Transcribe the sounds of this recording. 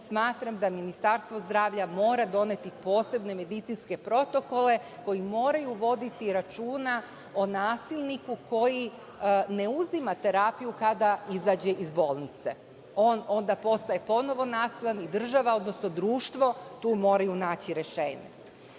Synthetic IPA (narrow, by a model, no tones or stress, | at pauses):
smaːt̪ɾamd̪aminist̪aɾst̪ʋo̞zd̪ɾaːʋʎamo̞ːɾad̪o̞ne̞t̪ipo̞ːse̞bne̞me̞d̪it̪sinske̞pɾo̞t̪o̞ko̞le̞ko̞jimo̞ːɾajuʋo̞d̪it̪iɾat͡ʃuːna | onaːsilʲˠnikuko̞ji | ne̞uzimat̪e̞ɾapijukad̪aizaːd͡ʑeʔizbo̞ːlˠnit̪se̞̰ | o̞ːno̞nd̪apo̞st̪aje̞po̞no̞ʋo̞naːsiʎanid̪r̩ʒaʋaod̪no̞sno̞d̪ɾuːʃt̪ʋo̞t̪uːmo̞ːɾajunaːt͡ɕiɾe̞ʃeːɲḛ